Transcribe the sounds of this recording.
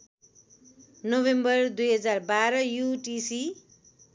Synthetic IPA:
nobembʌrd̪ujɦʌd͡zarbaɾʌjuʈisi

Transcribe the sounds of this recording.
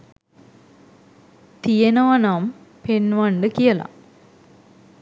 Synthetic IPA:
t̪ijɐnoːɐnam | penʋaɳɖɨkijɐla̰m

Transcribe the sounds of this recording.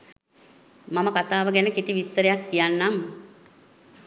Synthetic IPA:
maməkat̪aːʋəɡænəkiʈiʋist̪əɾejakːijanːam

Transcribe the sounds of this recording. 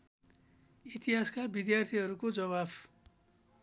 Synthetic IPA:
it̪iɦaskabid̪jart̪ʰiɦʌɾukod͡zʌβab

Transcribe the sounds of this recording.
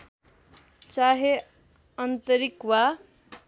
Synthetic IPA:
t͡saɦe | ʌnt̪ʌɾikwa

